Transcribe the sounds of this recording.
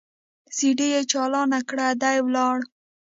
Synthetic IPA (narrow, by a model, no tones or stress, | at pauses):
siɖejet͡ʃɑlɑnakɽad̪ajwlɑɽ